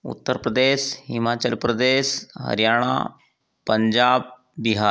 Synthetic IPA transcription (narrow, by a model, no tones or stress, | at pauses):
ṵt̪ːəɾpɾəd̪eɕhimat͡ɕəlpɾəd̪eːɕɦə̰ɾjaːɽ̃a̰ | pəɲd͡ʑaːb̚ | biɦa